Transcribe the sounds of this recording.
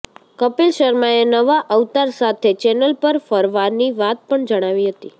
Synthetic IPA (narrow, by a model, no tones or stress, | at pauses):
kəpelʃəɾmaenəʋaʔəʋt̪aɾsat̪ʰet͡ʃɛnəlpəɾfəɾʋaɾniʋat̪̚pəɳd͡ʒəɽ̃aʋiɦət̪ḭ